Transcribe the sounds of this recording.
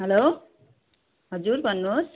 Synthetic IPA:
ɦʌlo | ɦʌd͡zuɾbʱʌnːus

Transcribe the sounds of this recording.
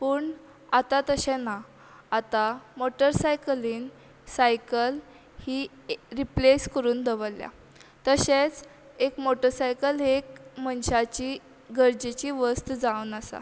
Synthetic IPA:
pəːɳ | at̪at̪əɕɛ̃naː | t̪amoʈəɾsajkəliːn | sajkəl | hiː | ɾipleskəɾuːnd̪əʋəlja̰ | t̪əɕet͡s | ekmoʈəɾsajkəlɦekmənɕat͡ɕiː | ɡəɾd͡ʑet͡ɕiːʋəst̪d͡zaunəsa̰

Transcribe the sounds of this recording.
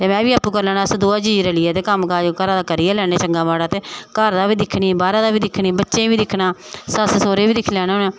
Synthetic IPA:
t̪eːmɛ̃ːbiːaːpuːkəɾlɛːnaːsd̪oːaːd͡ʒiːɾeːlɪːeːt̪eːkəmkaːd͡ʒkəɾãːd̪aːkəɾiːɛːlɛːɽeːt͡ʃəŋɡaːmaːɽaːt̪eːkəɾd̪aːʋiːd̪ɪkʰɽiːbaːɾãːd̪aːbiːd̪ɪkʰːniːbətːʃẽːʋiːd̪ɪkʰːnaːsəssoːɾeːbiːd̪ɪkʰlɛːnaːonaː

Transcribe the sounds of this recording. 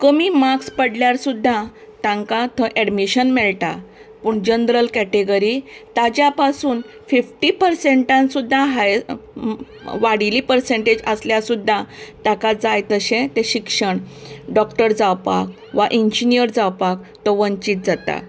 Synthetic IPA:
kəmimakspəɽljaɾsud̪ʱːa | t̪ãŋkat̪ʰə̃ʔɛɖmiɕənmɛɭʈa̰ | puːɳd͡ʑənd̪ɾəlkɛʈeɡəɾit̪ad͡ʑjapasuːn | fifʈipəɾseɳʈãnsud̪ʱːaɦaj | ʋaɽilipəɾseɳʈed͡ʑəsljasud̪ʱːat̪akad͡zajt̪əɕẽt̪eɕikʂəɳɖɔkʈəɾd͡zawpa̰k̚ | ʋaʔiɲd͡ʑinijəɾd͡zawpakt̪ɔʋənt͡ɕiːt̪̚d͡zat̪a̰

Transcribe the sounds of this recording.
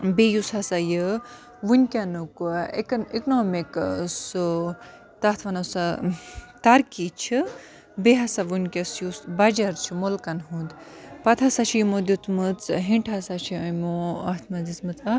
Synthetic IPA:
bejusasajɨ | ʋunʲkʲɐnukuiknoːmiksɨ | t̪at̪ʰʋɐnɐsa | t̪ɐɾkit͡ʃʰi | beɦasaʋunʲkʲɐsjusbɐd͡ʒɐɾt͡ʃʰimolkɐnɦũnd̪ | pɐt̪ʰasat͡ʃʰijimod̪ut͡smɨt͡sɦĩɳʈʰasat͡ʃʰiɐmoɐt̪ʰmɐd̪it͡smɨt͡sa

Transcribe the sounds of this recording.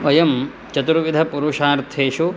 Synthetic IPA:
ʋɐjɐm | t͡ʃɐt̪uɾuʋid̪ʱɐpuɾuʂaːɾt̪ʰeːʃu

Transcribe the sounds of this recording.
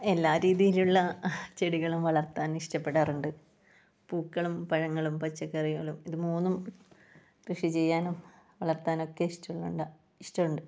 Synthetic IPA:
e̞lːaːɾiːðijiluɭːɐt͡ɕe̞ɽiɣɐɭumʋɐɭɐrt̪ːaːniʂʈɐpːe̞ɽaːruɳɖɨ | puːkːɐɭumpɐɻɐŋːɐɭumpɐt͡ɕːɐkːeɐrijuŋːɐɭumiðɨmuːnːum | krɨʂit͡ɕe̞jːaːnum | ʋɐɭɐrt̪ːaːno̞kːe̞iʂtɐuɭːuɳɖɐ | iʂʈɐuɳɖɨ

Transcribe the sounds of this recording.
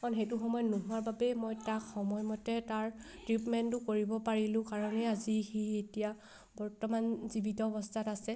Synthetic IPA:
kɔnxejtuxɔmɔjɔnuɦuaɹbabɛmɔjtakxɔmɔjmɔtɛtaɹtɹipmɛntʊkoɹibɔpaɹilʊ̃kaɹɔnɛazixietija | bɔɹtɔmanzibitɔːbɔstʰatasɛ

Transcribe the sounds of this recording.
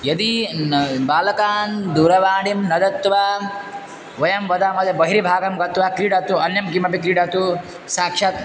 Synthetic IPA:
jɐd̪i | baːlɐkaːnd̪uːɾɐʋaːɳimnɐd̪ɐt̪ːʋa | ʋɐjɐmʋɐd̪amɐd̪ɐbɐɦiɾibʱaːɡɐmɡɐt̪ʋakɾiːɖɐt̪uɐnjɐmkimɐpikɾiːɽat̪u | saːkʂat̪

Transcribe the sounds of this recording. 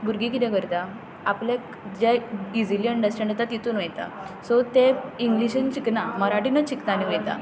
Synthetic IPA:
buɾɡikid̪aɡəɾd̪a | apljak | d͡ʑaid͡ziljəɳɖəsʈẽɳɖət̪at̪it̪uːnʋəjt̪a̰sɔt̪eiŋɡliɕənt͡ɕiknaməɾaʈinət͡ɕiknaniʋəjt̪a̰

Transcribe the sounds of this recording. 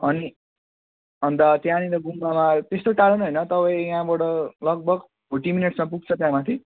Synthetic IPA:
ʌni | ɦʌnd̪at̪jãniɾʌɡumbamat̪est̪oʈaɾʌnɦʌjnʌt̪ʌpãĩãbʌɽʌlʌɡ̚bʌɡ | boʈimineʈsmap̬uɡ̚t͡sʰʌt̪jãmat̪ʰi

